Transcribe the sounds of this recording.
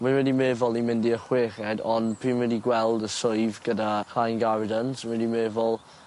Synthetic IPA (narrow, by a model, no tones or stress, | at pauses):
minwɛdimeːvɔlˠimɪndiəχweːχɛdɔnpʰiːnwɛdiɡwɛlˠdəsoɨvɡ̥ədakʰrajnɡavdəntʰwɛdimeːvɔlˠ